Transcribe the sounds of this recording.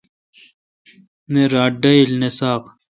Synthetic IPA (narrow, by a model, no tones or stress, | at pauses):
neɾaːɖɐilnesaːq